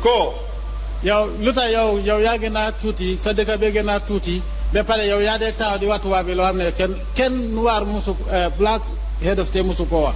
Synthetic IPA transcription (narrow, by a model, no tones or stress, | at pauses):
ko | jalutajowjowjaɡenatutisadekabeɡenatuti | bepalejawjadek̚taodiwatuwabiloaneken | kenːuwaɾmusukːblak | hedeftemusukowa